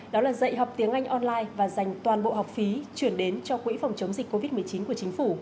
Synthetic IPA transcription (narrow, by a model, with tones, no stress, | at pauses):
ɗɔ˨˦laː˨˩zə̰˧˨jɦɔ˨˩wk͡p̚t̪i˨˦əŋʔa˧jŋ̟ʔɔ˧nlaː˧jvaː˨˩za˨˩jŋ̟t̪waː˨˩nɓo̰˧˨ɦa˨˩wk͡p̚fi˨˦t͡ɕwi˧˩ənɗe˨˦nt͡ɕɔ˧kwḭ˧˥fɔ˨˩wŋ͡mt͡ɕə˨˦wŋ͡mzï˨˩k̟̚ko˧vi˦˥t̚mɨ˨˩ət͡ɕi˨˦nku˧˩ət͡ɕï˨˦ŋ̟fu˧˩